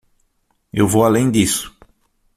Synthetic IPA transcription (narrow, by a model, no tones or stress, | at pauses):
ewvowalẽj̃d̪isʊ̥